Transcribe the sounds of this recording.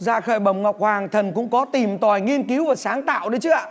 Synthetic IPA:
za̰ː˧˩xəː˧˩jɓə˨˩wŋ͡mŋɔ˨˩wk͡p̚hwaː˨˩ŋt̪ʰə˨˩nkʊ̰˧˥ŋ͡mkɔ˨˦t̪i˨˩mt̪wa˨˩jŋi˧ənki˨˦wvaː˨˩saː˨˦ŋt̪a̰ː˧˨wɗə˨˦jt͡ɕɨ˨˦a˧˨˩

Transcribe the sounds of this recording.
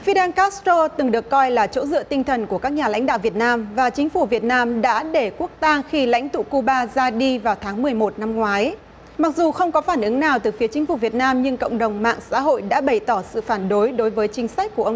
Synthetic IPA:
fi˧ɗaː˧nkaː˦˥st̪o˧t̪ɨ˨˩ŋɗɨ˨˩əkːɔ˧jlaː˨˩t͡ɕo̰˧˥zɨ̰˧ət̪ï˧ŋt̪ʰə˨˩nku˧˩əkaː˦˥k̚ɲaː˨˩la̰˧˥ŋ̟ɗa̰ː˧˨wvi˨˩ət̚naː˧mvaː˨˩t͡ɕï˨˦ŋ̟fu˧˩vi˨˩ət̚naː˧mɗa̰ː˧˥ɗe˧˩ku˦˥ək̚t̪a˧ŋxi˧la̰˧˥jŋ̟t̪ṵ˧˨ku˧ɓaː˧zaː˧ɗi˧vaː˨˩wt̪ʰaː˨˦ŋmɨ˨˩əjmo˨˩t̚na˧mŋwaː˨˦j | ma˨˩k̚zu˨˩xə˧wŋ͡mkɔ˨˦faː˧˩nʔɨ˨˦ŋnaː˨˩wt̪ɨ˨˩fi˨˦ət͡ɕï˨˦ŋ̟fu˧˩vi˨˩ət̚naː˧mɲɨ˧ŋkə̰˧˨wŋ͡mɗə˨˩wŋ͡mma̰ː˧˨ŋsa̰ː˧˥ɦo̰˧˨jɗa̰ː˧˥ɓə˨˩jt̪ɔ˧˩sɨ̰˧˨faː˧˩nɗo˨˦jɗo˨˦jvəː˨˦jt͡ɕï˨˦ŋ̟sa˦˥jk̟̚ku˧˩əʔə˧

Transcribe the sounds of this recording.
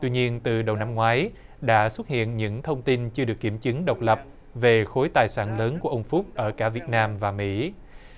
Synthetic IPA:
t̪wi˧ɲi˧ənt̪ɨ˨˩ɗə˨˩wna˧mŋwaː˨˦j | ɗa̰ː˧˥swə˦˥t̚hḭ˧˨ənɲɨ̰˧˥ŋt̪ʰə˧wŋ͡mt̪i˧nt͡ɕɨ˧ɨ˨˩ək̚ːi˧˩mt͡ɕɨ˨˦ŋɗə˨˩wk͡p̚lə˨˩p̚ | ve˨˩xo˨˦jt̪aː˨˩jsa̰ː˧˩nləː˨˦nku˧˩əʔə˧wŋ͡mfu˦˥k͡p̚ʔəː˧˩kaː˧˩vi˨˩ət̚naː˧mvaː˨˩mḭ˧˥

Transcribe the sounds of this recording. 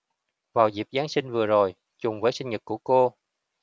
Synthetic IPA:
vaː˨˩wzi˨˩p̚zaː˨˦nsï˧ŋ̟vɨ˨˩əzo˨˩j | t͡ɕʊ˨˩ŋ͡mvəː˨˦jsï˧ŋ̟ɲɨ˨˩t̚ku˧˩əko˧

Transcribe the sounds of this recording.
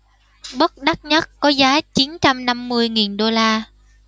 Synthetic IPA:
ɓə˦˥t̚ɗa˦˥t̚ɲə˦˥t̚kɔ˨˦zaː˨˦t͡ɕi˨˦nt͡ɕa˧mna˧mːɨ˧əjŋi˨˩nɗo˧laː˧

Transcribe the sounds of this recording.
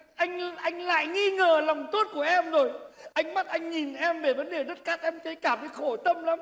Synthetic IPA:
ʔa˧jŋ̟ʔa˧jŋ̟la̰ː˧˨jŋi˧ŋəː˨˩lɔ˨˩wŋ͡mt̪o˦˥t̚ku˧˩əʔɛ˧mzo˨˩jʔa˧jŋ̟ma˦˥t̚ʔa˧jŋ̟ɲi˨˩nʔɛ˧mve˧˩və˨˦nɗe˨˩ɗə˦˥t̚kaː˦˥k̚ʔɛ˧mt͡ɕə˨˦jkaː˧˩və˨˦xo˧˩t̪ə˧mla˨˦m

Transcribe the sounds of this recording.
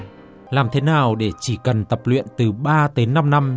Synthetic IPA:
laː˨˩mt̪ʰe˨˦naː˨˩wɗe˧˩t͡ɕi˧˩kə˨˩nt̪ə˨˩p̚lwḭ˧˨ənt̪ɨ˨˩ɓaː˧t̪əː˨˦na˧mna˧m

